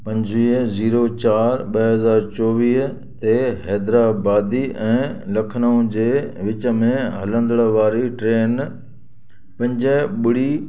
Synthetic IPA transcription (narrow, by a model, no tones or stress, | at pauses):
pɐ̃ɲd͡ʑʋiːɦziːɾot͡ɕaːɾɓɐɦɐzaːɾt͡ɕɔːʋiːɦ | t̪eɦɛːd̪ɾaːbaːd̪iɛ̃ːlɐkʰnaːʊ̃d͡ʑeːʋɪt͡ɕə̆mẽɦɐlə̃nd̪əɽ̃ʋaːɾiʈɾeːn | pɐ̃ɲd͡ʑəɓʊɽi